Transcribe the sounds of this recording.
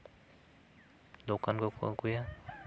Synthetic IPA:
d̪okankokuja

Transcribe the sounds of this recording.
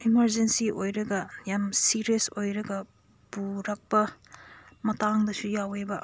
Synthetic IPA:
imɐɾd͡ʒensiojɾɐɡɐjamsiɾiesojɾɐɡɐ | b̥uɾɐk̚pɐ | mɐtaŋdɐsujawebɐ

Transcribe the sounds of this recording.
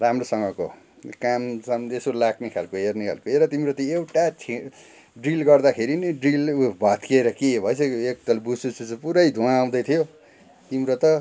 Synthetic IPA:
ramrosʌŋɡʌko̰ | kamsʌmesolaknekʰalkoɦerneɦʌ̰lkoeɾʌt̪imɾot̪ʌewʈat͡sʰi | ɖrilɡʌrd̪akʰeɾiniɖrilbʱat̪keɾʌkibʱʌjt͡sʰʌek̚t̪ʌlbusut͡sut͡supuɾʌjd̪ʱuãːw̃d̪ʌjt̪ʰijo | t̪imɾot̪ʌ

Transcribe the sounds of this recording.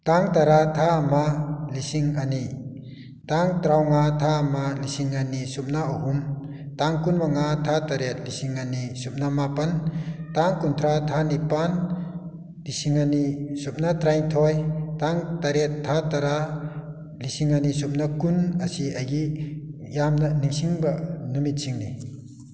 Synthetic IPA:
taŋtaɾatʰaːmalisiŋani | taŋtɾawŋatʰaamalisiŋanisup̚naaɦum | taŋkunbaŋatʰataɾet̚lisiŋanisup̚namapɐntaŋkunt̪ʰɾatʰanipan | lisiŋanisup̚natɾajŋtʰɔjtaŋtaɾetʰːataɾa | lisiŋanisup̚nakunasiajɡi | jamnaniŋsiŋbɐnumit̚siŋni

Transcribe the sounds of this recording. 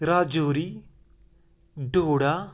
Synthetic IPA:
ɾad͡ʒoɾi | ɖoɽa

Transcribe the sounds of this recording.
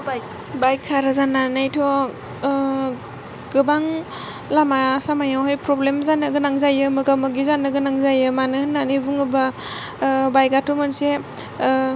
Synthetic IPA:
bajkʰːaɾazananajtʰɔ | ɡ̥ɯbaŋ | lamasamajawhajpɾɔblemzanɯɡɯnaŋzajɯmɯɡamɯɡizanːɯɡɯnaŋzajɯmanɯhɯnːanibuŋɯba | bajɡatʰumɯnse

